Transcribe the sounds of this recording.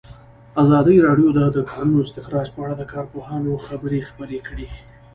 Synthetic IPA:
azɑd̪əjɾɑɖjod̪əd̪əkɑnunoɪst̪ɪxɾɑd͡ʒpəaɽad̪əkɑɾpohɑnoxabəɾexpəɾekɽi

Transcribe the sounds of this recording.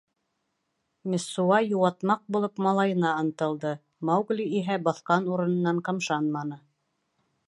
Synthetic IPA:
mʲesːuɑjuwɑt̪mɑq̚bulˠɤpmɑlˠɑjɤ̆nɑɤ̆nt̪ɤ̆lˠd̪ɤ | mɑwɡlʲiiɦæbɑθqɑnuɾɤ̆nɤ̆nːɑɴqɤ̆mʃɑnmɑnɤ

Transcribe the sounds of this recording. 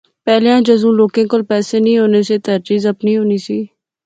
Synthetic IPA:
pɛːleãːd͡ʒəzũːloːkẽːkʊlpɛːsenĩɦoːneset̪əɾt͡ʃiːzəpniɦoːnisiː

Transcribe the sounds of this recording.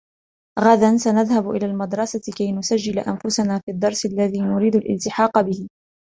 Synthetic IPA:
ɣaðansanaðhabʊʔɪ̰laːlmad̪ɾˤɑsat̪kajnʊsad͡ʒːɪlaʔa̰nfʊsanaːfiːd̪ːɑɾˤsalːaðiːnʊɾiːd̪ʊlʔɪ̰lt̪ɪħɑːqɑbɪhɪ

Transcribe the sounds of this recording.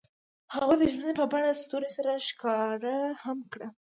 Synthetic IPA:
haɣojd̪əʒmənepəbaɽast̪oɾesaɾaʃkɑɾahamkɽa

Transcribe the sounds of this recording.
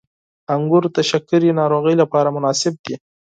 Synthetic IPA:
aŋɡʊɾt̪aʃakːʊɾinɑɾoɣəjlapɑɾamʊnɑsɪb̚d̪i

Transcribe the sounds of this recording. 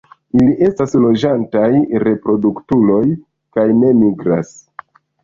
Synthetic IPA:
iliʔe̞staslo̞d͡ʒantajɾe̞pɾo̞duktulo̞j | kajne̞miɡɾas

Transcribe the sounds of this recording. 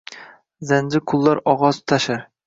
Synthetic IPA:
zand͡ʒɪkʰʊlˠːaɾɒʁɒzt̪ʰaʃaɾ

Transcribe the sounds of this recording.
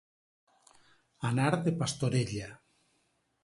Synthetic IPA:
anaɾðepast̪oɾeʎa

